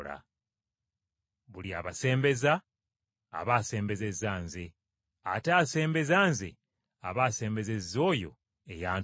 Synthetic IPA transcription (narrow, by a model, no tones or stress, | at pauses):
la̰ | βulia̰βase̞ːmbe̞za̰ː | βaːse̞ːmbe̞ze̞zaːnze | a̰taːse̞ːmbe̞zaːnzḛ | a̰βaːse̞ːmbe̞ze̞zo̞ːjo̞̰ | e̞jaːn